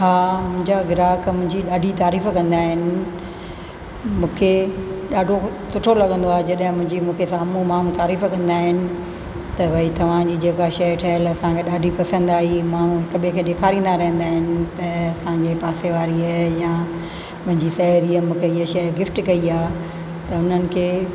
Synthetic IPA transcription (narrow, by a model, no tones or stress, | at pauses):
ɦaːmʊ̃ɦɪ̃ɲd͡ʑaɡɪɾaːkmʊ̃ɦɪ̃ɲd͡ʑiɗaːɖʱit̪aːɾiːfkɐ̃nd̪aːɦɪnɪ̆ | mũːkʰeɗaːɖʱosʊʈʰolɐɠə̃nd̪oaːɦed͡ʑɐɗɦɪ̃mʊ̃ɦɪ̃ɲd͡ʑimũːkʰesaːmũmaːn̤ũt̪aːɾiːfkɐ̃nd̪aːɦɪnɪ̆ | t̪ɐʋɐit̪ɐʋ̤ãd͡ʑiːd͡ʑeːkaʃɐjʈʰɐːəlɐsãkʰeɗaːɖʱipɐsə̃nd̪aːɦimaːn̤ũkɐɓʱiə̃kʰeɗeːkʰaːɾĩːnd̪aɾɐɦə̃nd̪aːɦɪnɪ̆t̪ɐɐsãɲd͡ʑepaːseʋaːɾiajã | pʊ̃ɦɪ̃ɲd͡ʑisɐɾiəmũːkʰeiɦaʃɐjɡɪfʈkɐiaː | t̪ɐʊn̤ənɪ̆kʰeː